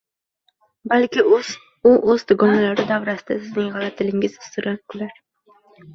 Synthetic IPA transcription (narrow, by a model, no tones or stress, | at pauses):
balkʲɪ | ʊʔɵzd̪ʊɡɒnalaɾɪd̪avɾasɪd̪asɪznɪŋʁɑlat̪ʰɪlɪŋʲɪzʊst̪ʊɾankʰʊlaɾ